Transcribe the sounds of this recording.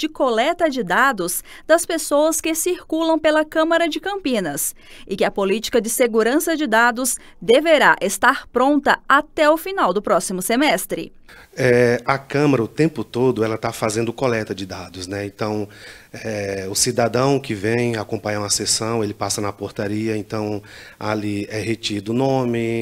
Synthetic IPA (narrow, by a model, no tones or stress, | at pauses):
d͡ʒɪkolɛt̪ɐd͡ʒɪd̪ad̪ʊs | d̪̥ɐspesoɐskɪsiɾkulɐ̃w̃pelɐkɐ̃mɐɾɐd͡ʒɪkɐ̃mpĩnɐs | ɪkɪɐpolit͡ʃi̥kɐd͡ʒɪseɡuɾɐ̃sɐd͡ʒɪd̪ad̪ʊz | d̪eveɾaʔest̪aɾpɾõnt̪ɐat̪ɛʊfinawd̪ʊpɾɔsimʊsemɛst̪ɾɪ̰ | ɛɐkɐ̃mɐɾɐʊt̪ẽmpʊt̪od̪ʊɛlɐt̪afazẽnd̪ʊkolɛt̪ɐd͡ʒɪd̪ad̪ʊsnɛẽnt̪ɐ̃w̃ɛʊsid̪ad̪ɐ̃w̃kɪvẽj̃akõmpɐ̃ɲɐ̃w̃ɐsesɐ̃w̃elɪpasɐnɐpoɾt̪aɾiɐẽnt̪ɐ̃w̃ | aliɛɦet͡ʃid̪ʊnõmɪ